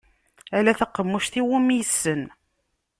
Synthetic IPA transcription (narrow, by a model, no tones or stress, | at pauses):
ælæθəqːəmːuʃθiwumjəsːən